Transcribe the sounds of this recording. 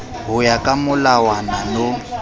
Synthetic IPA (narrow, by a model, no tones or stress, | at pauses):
ɦʊjakʼamʊlawanalo